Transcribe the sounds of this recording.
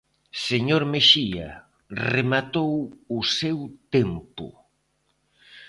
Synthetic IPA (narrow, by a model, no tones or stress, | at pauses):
seɲoɾmeʃia̰ | remat̪owʊsewt̪empʊ̰